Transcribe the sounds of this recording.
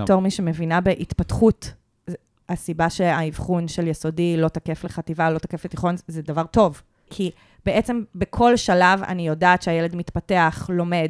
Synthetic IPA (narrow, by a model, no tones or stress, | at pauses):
toʁmiʃemevinabeʔitpatχut | asibaʃeaivχunʃeljeso̞dilo̞takefleχativalo̞t̪akefletiχo̞nzedavaʁto̞v | kʰi | be̞ʔet͡sembekʰo̞lʃalava̰nijo̞daːtʃeajeledmitpate̞aχlo̞me̞d